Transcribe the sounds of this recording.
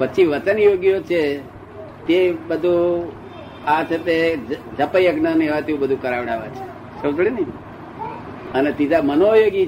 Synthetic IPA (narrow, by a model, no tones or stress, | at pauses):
ʋəːʃʰiʋət͡ʃənjoɡjot͡ʃʰe | t̪ebəd̪ʱũ | at͡ʃʰet̪ed͡ʒəpəjəɡnəniɦʋat̪eũbəd̪ʱũkəɾaʋɽaʋa̰t͡ʃʰe̥ | sət̪ɽinəi | ənet̪id͡ʒ̪ʱamənojoɡi